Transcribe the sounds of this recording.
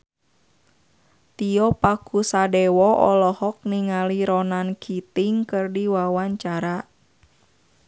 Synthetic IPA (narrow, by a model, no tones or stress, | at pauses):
t̪iɔpakusadɛwɔʔɔ̰lɔhɔk̚niŋaliɾɔnankʰit̪iŋkɨrdiwawaɲt͡ʃaɾa